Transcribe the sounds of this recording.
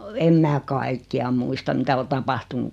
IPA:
em mæː kɑikːiɑ muistɑ mitæ o tɑpɑhtunu

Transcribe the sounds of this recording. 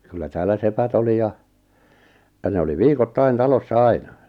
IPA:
kylːæ tæːlːæ sepæt oli jɑ jɑ ne oli ʋiːkotːɑin tɑlosːɑ ɑinɑ

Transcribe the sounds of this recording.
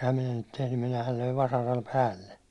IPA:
ehæm minæ niːt tehnym minæhæl løiʋ ʋɑsɑrɑl pæːlːe

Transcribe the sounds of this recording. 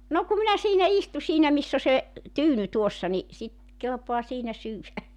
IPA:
no ku minæ siːnæ istu siːnæ misː o se tyːny tuosːɑ ni sit kelpoɑ siːnæ syːwæ

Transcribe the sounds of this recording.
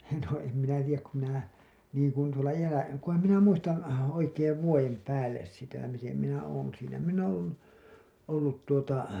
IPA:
no em minæ tijˑæk ku minæ liːkuin tuolɑ jæːlæ kuhɑm minæ muistɑn oikeːʋ ʋuojem pæːlːes sitæ mitem minæ oːn siːnæ minː õː olːu olːut tuotɑ

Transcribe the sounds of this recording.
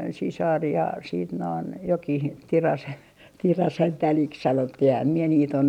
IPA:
sisɑr jɑ siːt noin jokih tirɑse tirɑsen tæliks sɑnotːih ehæm mie niːt on

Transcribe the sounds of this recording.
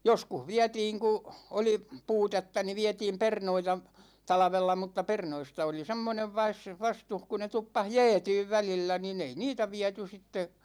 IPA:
joskuh ʋiætiːŋ ku oli puːtetːɑ ni ʋiɛtiːm pernoitɑ tɑlɑ̆ʋelːɑ mutːɑ pernoistɑ oli semːoneʋ ʋɑs ʋɑstuh ku ne tupːɑs jɛːtyːʋ ʋælilːæ nin ei niːtæ ʋiæty sitːe

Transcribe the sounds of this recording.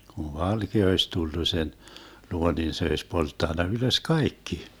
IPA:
kuʋ ʋɑlkeɑ oisʲ tulːu sen luo nin se oisʲ poltːɑnːɑ yløs kɑikːi

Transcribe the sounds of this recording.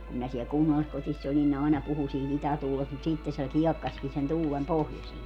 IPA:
kum minæ siɛl kunːɑlːiskotisː olin ne ɑˑenɑ puhu siːt itætuːlest mut siˑtːe se kiɛkːɑski sen tuːlem pohjosie

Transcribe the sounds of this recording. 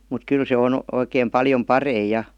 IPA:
mut kyl se on oikeːm pɑljom pɑrei jɑ

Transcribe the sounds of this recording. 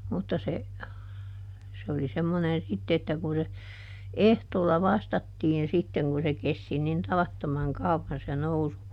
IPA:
mutːɑ se se oli semːonen sitːe etːæ kun se ehtoːlːɑ ʋɑstɑtːiːn sitːeŋ kun se kesti nin tɑʋɑtːomɑŋ kɑuʋːɑn se nousu

